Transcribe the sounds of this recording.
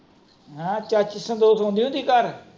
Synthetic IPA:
ɦãt͡ʃət͡ʃsə̃nd̪oːsɦõːnd̪iːʊ̃nd̪iːkəɾ

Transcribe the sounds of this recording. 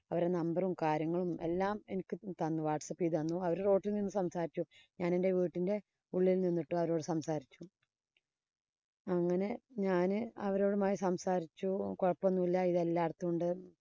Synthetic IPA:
ɐʋɐɾenɐmbɐrumkaːɾjɐŋːɐɭume̞̰lːaːme̞nikʲːɨt̪ɐnːɨʋaːʈsɐpːiðɐnːuɐʋɐɾuro̞ːʈːilninːɨsɐmsaːɾit͡ɕːuɲaːnende̞ʋiːʈːinde̞ | uɭːililninːiʈːɨɐʋɐɾo̞ːɽɨsɐmsaːɾit͡ɕːu | ɐŋːɐne̞ɲaːnɨɐʋɐɾo̞ːɽumaːjisɐmsaːɾit͡ɕːukoɻɐpːonːuilːɐiðelːaːɽɐt̪ːuuɳɖɨ

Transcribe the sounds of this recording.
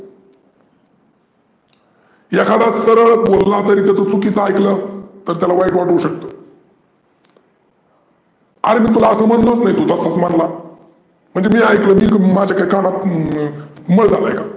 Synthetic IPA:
jakʰad̪asəɾəɭbollat̪əɾiːt̪jat͡sət͡sukiːt͡səajklət̪əɾt̪jalaʋaiʈʋaʈouɕək̚t̪o | a̰ɾemiːt̪ulaəsəmənlot͡snait̪ot̪əsat͡smanla | m̤əɳd͡zemiːajkləːmiːmad͡ʑʱjakaɾikaɽ̃at̪ | məɭd͡zalajka

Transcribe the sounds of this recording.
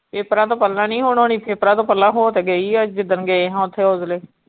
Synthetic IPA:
pʰeːpɾãːt̪õːpəlːãːnĩːɦoːɳoːniːpʰeːpɾãːt̪õːpəlːãːɦoːt̪eːɡəiːəd͡ʒɪd̪ənɡeɦãːʊt̪ʰːeːoːzleː

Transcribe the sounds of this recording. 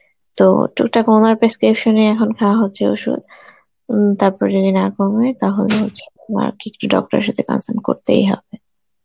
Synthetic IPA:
t̪o̰ʈʰuk̚ʈakɔnaɾpɾeskɾipʃoneɛkʰonkʰɛwaɦotːɕʰeo̰ʃṵd̪ | t̪aɾpɔɾd͡ʒodinakomet̪aɦoleɦotːɕʰe̥ama̰ɾkikʈuɖɔ̰k̚ʈoɾḛʃat̪ʰekɔ̰nsanko̰ɾt̪ḛjɦɔ̰be

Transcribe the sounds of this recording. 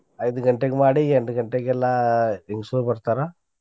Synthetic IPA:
ɐjd̪uɡɐɳʈeɡemaːɽieɳɖuɡɐɳʈeɡɛlːaiŋɡsuɾbɐɾt̪aːɾo

